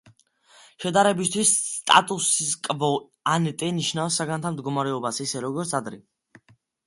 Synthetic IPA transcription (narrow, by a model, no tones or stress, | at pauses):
ʃɛd̪aɾɛbist̪ʰwisːt̪ʼa̰t̪ʼusiskʼvɔ | anɛt̪ʼɛniʃnafsːaɡant̪ʰamd̪ɡɔmaɾɛɔbasisɛɾɔɡɔɾt̪sʰad̪ɾɛ